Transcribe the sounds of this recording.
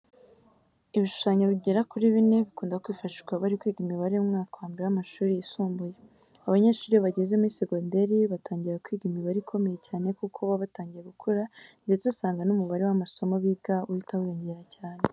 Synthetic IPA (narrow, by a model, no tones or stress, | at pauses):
iβiʃu̥ʃaːɲoβiɟe̞ɾakuɾiβine̞βikuːndakwiːfaʃiɡwaβaɾikwiːɡimiβaɾeumŋaːkawaːmbiɾeamaʃuːɾijisuːmbuje | aβaɲe̞ːʃuːɾiβaɟezemuɾiseɡonde̞ɾiβatʰaːɲɟiɾakwiːɡimiβaɾikʰo̞me̞je̞caːne̞kukʰoβaβataːɲɟije̞ɡukʰoɾande̞t͡sesaːŋɡanumuβaɾewamaso̞moβiɡaujitawijoɲɟeɾacaːne